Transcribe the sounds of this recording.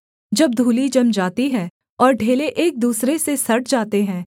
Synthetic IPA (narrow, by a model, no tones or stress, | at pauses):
d͡ʒɐb̚d̪ʱuːlid͡ʒɐmd͡ʒaːt̪iɦɛ̃ː | ɔːɾɖʱeːleʔeːk̚d̪uːsɾesesɐɾʈ̚ʰd͡ʒaːt̪eɦɛ̃ː